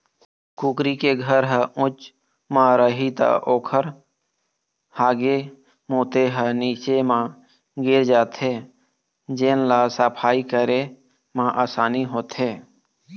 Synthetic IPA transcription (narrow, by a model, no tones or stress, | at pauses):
kuːkɾikeɡʱəɾɦəʊt͡ʃ | mãɾəɦit̪a̰ʔoːkʰəɾ | haːɡe | moːt̪eɦəniːt͡ʃemã | ɡɪɾd͡ʒaːt̪ɦeː | d͡ʒeːnlaːsaːpʰaːikəɾe | mãʔaːsaːniɦoːt̪ɦeː